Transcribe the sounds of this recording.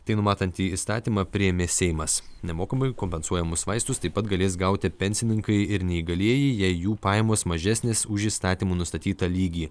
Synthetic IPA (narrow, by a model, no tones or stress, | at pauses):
t̪ɐɪnʊmɑːt̪ɐnʲt̪ʲiːiːst̪ɑːt̪ʲiːmɑpʲɾʲɪjɛmʲeːsʲɛɪmɐsnʲɛmoːkɐmɐɪkoːmʲpʲɛnsuɔjɛmʊsʋɐɪst̪ʊst̪ɐɪpːɐt̪ɡɐlʲeːs̬ɡɐʊt̪ʲɪpʲɛnʲsʲɪnʲɪŋkɐɪɪɾnʲɛiɡɐlʲiɛjiːjɛɪjuːpɑːjɛmoːsmɐʒʲɛsʲnʲeːsʊʒʲiːst̪ɑːt̪ʲiːmuːnʊst̪ɐt̪ʲiːt̪ɐlʲiːɡʲiː